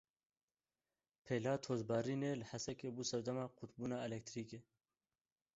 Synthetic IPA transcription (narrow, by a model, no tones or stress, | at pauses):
pʰeːlaːt̪ʰoːzbɑːɾiːneːlɨħasɛkeːbuːsɐɾd̪ɐmɑːqʰut̪buːnɑːɛlɛkt̪ɾiːkeː